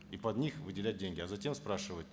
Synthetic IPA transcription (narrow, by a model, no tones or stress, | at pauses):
ipɐd̪nʲixvɨdʲɪlʲæt̚ʲdʲenʲɡʲɪɐzɐtʲe̞mspɾaʂɨvətʲ